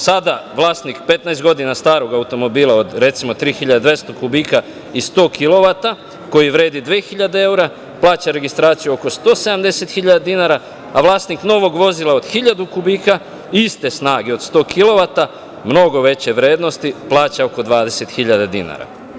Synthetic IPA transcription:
sad̪aʋlˠaːst̪nikpe̞t̪naest̪ɡo̞d̪inast̪aːɾo̞ɡaut̪o̞mo̞biːlˠao̞d̪ɾe̞t̪simo̞t̪ɾiːxiʎad̪ad̪ʋest̪okubiːka | ist̪o̞ːkʰilˠo̞ʋat̪a | ko̞jiʋɾe̞ːd̪id̪ʋeːxiʎad̪ee̞wuɾa | plˠaːt͡ɕaɾe̞ɡist̪ɾaːt̪sijuo̞ko̞st̪o̞ːse̞d̪amd̪e̞se̞t̪xiʎad̪ad̪inaɾa | aʋlˠaːst̪nikno̞ʋo̞ɡʋo̞zilˠao̞d̪̥xiʎad̪ukubiːka | ist̪e̞snaːɡeo̞d̪st̪oːkʰilˠo̞ʋat̪a | mno̞ɡo̞ʋe̞t͡ɕe̞ʋɾe̞ːd̪no̞st̪iplˠaːt͡ɕao̞ko̞d̪ʋaːd̪e̞se̞t̪xiʎad̪ad̪ina̰ɾa̰

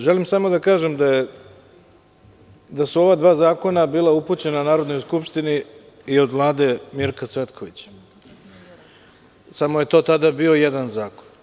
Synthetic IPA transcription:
ʒe̞limsamo̞d̪akaːʒemd̪aje | d̪asuo̞ʋad̪ʋaːzaːko̞nabiːlauput͡ɕe̞nanaːɾo̞d̪no̞jskupʃt̪ini | io̞d̪ʋlˠaːd̪e̞miɾkat̪sʋe̞t̪kʰo̞ʋit͡ɕ | samoje̞t̪o̞ːt̪ad̪abio̞jed̪anzaːko̞n

